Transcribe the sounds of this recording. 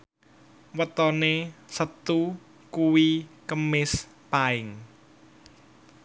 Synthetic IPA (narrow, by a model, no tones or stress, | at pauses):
wət̪ɔnesət̪u | kuwikəmɪs | paɪŋ